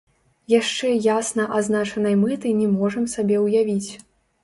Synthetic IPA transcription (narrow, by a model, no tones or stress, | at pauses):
jaʂt͡ʂɛjasnɐʔaznat͡ʂɐnɐjmɨt̪ɨnʲɛmɔʐɐmsabʲɛwjavʲit͡sʲ